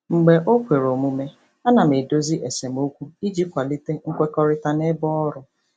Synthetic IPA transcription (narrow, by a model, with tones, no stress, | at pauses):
ŋ͡m̩˨ɡ͡be˨ʔo˦kʷe˨ɾo˨mu˨me˦ | a˦na˨m̩˨e˨do˦zi˦ʔe˨se˨mo˦kʷu˦i˦d͡ʒi˦kʷa˨li˦te˦ŋ̩˦kʷe˦kɔ˦ɾɪ˦ta˦ne˦bɔ˦ɔ˦ɾʊ˨